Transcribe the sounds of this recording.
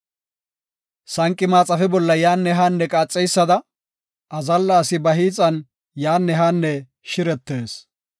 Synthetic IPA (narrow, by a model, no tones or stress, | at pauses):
sɐŋkʼːɪmaːt͡sʼɐfɛbɔlːɐjaːnːɛɦaːnːɛkʼaːt͡sʼːɛjsːɐd̪ɐ | ʔɐzɐlːaːsɪbɐɦiːt͡sʼːɐn | jaːnːɛɦaːnːɛ | ʃɪɾɛt̪ːe̞ːs